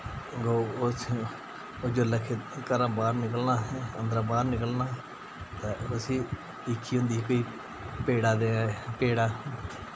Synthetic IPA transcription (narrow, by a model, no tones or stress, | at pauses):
ɡoː | oːd͡ʒoləkʰːekəɾãːbaːɾnɪkəlnaːənd̪ɾãːbaːɾnɪkəlnaː | t̪ɛːʊsĩː | ɪkʰːiːɦʊ̃nd̪iːɛkoiː | peːɽaːd̪eːpeːɽaː